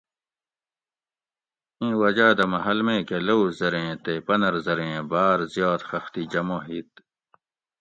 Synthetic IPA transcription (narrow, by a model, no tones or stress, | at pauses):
ĩːwɐd͡ʑaːd̪ɐmɐɦɐlmẽːkelowzɐɾẽːt̪epɐnɐɾzɐɾẽːbaːɾzijɑːt̪xɐxt̪id͡ʑɐmõːɦiːt̪